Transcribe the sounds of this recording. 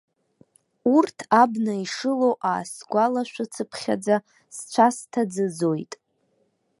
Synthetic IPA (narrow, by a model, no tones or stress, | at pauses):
urtʰabnaiʂɨlowʔa̰ːsɡʷalaʃᶣʷat͡sʰɨpʰχʲa̰d͡za | st͡ɕʷʰastʰad͡zɨd͡zo̞jtʼ